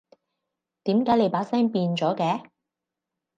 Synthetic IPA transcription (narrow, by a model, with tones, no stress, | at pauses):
t̪iː˨˥mkaː˨˥jle˨˧jpaː˨˥sɛː˥ŋpiː˧nt͡ʃɔː˨˥kɛː˧˥